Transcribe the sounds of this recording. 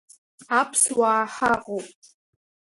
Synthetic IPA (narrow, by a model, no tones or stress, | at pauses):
apʰswaːħaqʼowpʼ